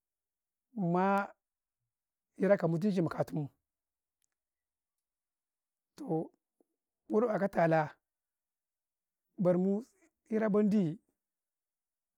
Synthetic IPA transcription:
ma˦ | i˦ɾa˦ka˨mu˦t̬i˦ʃ̬i˨mu˨ka˨tu˦mu˦ | to˨ | wu˦ɾba˨ka˦ta˨la˦ | ba˨ɾmu˦ | i˦ɾa˦ba˦n˦di˦˨

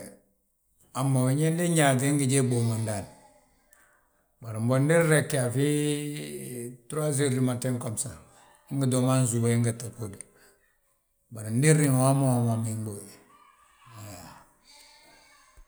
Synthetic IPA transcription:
a˨mːa˨wi˨ɲe˦ndi˦ɲa˨ɡe˦ŋɡi˨ɟeː˦bo˨ma˨nda˨n | ba˨ɾi˨mbo˨ndi˦ɾɾe˨kːi˨a˨fi˦ | tu˦ɾa˦s̬i˦ɾi˨ma˨te˦ŋko˨msa˨ | i˦ŋɡi˨do˨ma˦n˦zu˨wa˦i˦ŋɡi˨ta˨ku˦di˨ | ba˨ɾi˨n˦di˦ɾi˦n˨wa˦ma˦˨wa˨ma˨mi˨m˦bo˨ | a˨ja˨

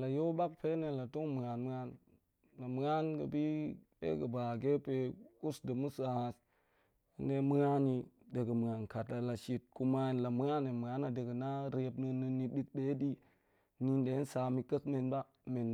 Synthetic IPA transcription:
la˨jo˦ba˦k̚pe˦ne˨la˨tu˦ŋmə˨ŋa˨nmə˦a˦n | la˨mə˨˦ŋa˦nkə̰˨bi˦bḛ˦ɡə˨ba˨ɡe˦pe˨u˦sdə˨mu˦sa˨ha˨s | i˨nde˦mə˦ŋa˦ni˨ | de˨ɡə˨mə˨ŋa˨nka˨ta˨la˨ʃi˨t̚ku˦ma˦˨nla˨mu˦a˦ne˨mə˨ŋa˨˦na˨de˨ɡə˨na˦ɾe˨˦pnə˧nːə˧nːi˨ɗi˦k̚ɗe˦di˦ | ni˨nde˨˦n˦sa˨mi˨kə˦sme˨nba˦ | me˨n

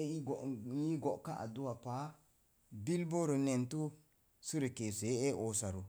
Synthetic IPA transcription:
e˦i˦ɡo˨i˦ɡo˨ʔka˦ʔa̰˨du˦wa˨pa˨˦ | bi˦lbo˦ɾu˨ne˨ntu˦ | si˦ɾi˨ke˨se˨˦e˦o˨sa˨ɾu˨

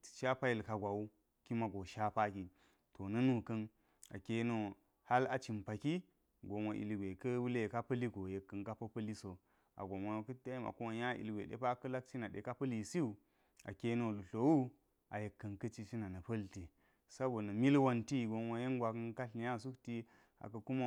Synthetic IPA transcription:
i̥˨ʃa˦pa˦ji˨lka˨ɡʷa˨u˦ | ki˦ma˨ɡo˨ʃa˦pa˦ki˨ | to˨nɐ˦nu˨kɐ˦n | a̰˨ke˦no˦ | ha˦la˨t͡ʃi˨mpa˨ki˦ | ɡo˨ma˨ʔḭ˨lɡʷe˨kə˦wu˦le˦˨ka˦pɐ˦li˦ɡo˨je˨kːɐ˨nka˦pɐ˦pɐ˦li˦so˨ | a̰˨ɡo˨mʷo˦˨˦kɐ˦ta˦i˦ma̰˨ku˦ma˨ja˦ʔḭ˨lɡʷḛ˨ɗḛ˦pa˦kɐ˦la˦k̚t͡ʃi˦na˨ɗḛ˨ka˦pɐ˦li˨si˦u˨ | a˨ke˦no˦˨lu˨ɬo˨wu˦ | a˨je˨kːɐ˨nkɐ˦t͡ʃi˦t͡ʃi˦na˨nɐ˨pɐ˦lti˨ | sa˦bo˨nɐ˨mi˦lwa˦nti˦˨ɡo˨ŋʷa˦je˦ŋɡʷa˨kɐ˦nka˦ɬi˨ja˦˨s̬u˦kti˦ | a̰˨kɐ˨ku˦ma˦

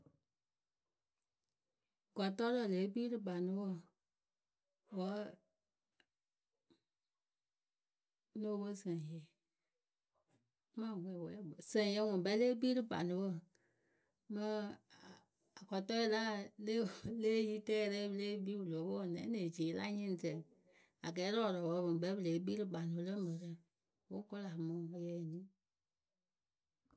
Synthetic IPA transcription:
ɡa˨tɔ˦lɔ˨leː˨˦biː˦ɾɨ˦ba˨nũ˧˦wo˦˨ | wɔ˨˦ | no˦bo˦sɛ̃˨je˨˦ | mã˦˨wʷe˨wɛ̰˨˦bo˨sɛ̃˨je˧˦wɔ̃˨bɛ˧˦leː˦biː˦ɾɨ˦ba̰˨nũ˧wo˦ | mə̃˦˨ | a˨kɔ˨tɔ˦i˦la˦le˦˨leː˦ji˦tɛː˦˧ɾɛ˦bə˧˦leː˦biː˦wu˨lo˨˦bo˦˨nɛ̃˨˦nẽ˨d͡ʒeː˨˦la̰˦ɲɛ̃˦˨tɛ˨ | a˨ɡɛː˨˦lɔ˦˨ɾɔ˨wɔ˧˦õ˨bɛ˧˦bə˦˧leː˨˦ɓiː˦ɾɨ˦ɡ͡ba˨nũ˧˦lə˦mə˨ɾɛ˦ | wo˦ko˦la˨mɔ̃˨˦o˧jɛ˧˦˨nĩ˦

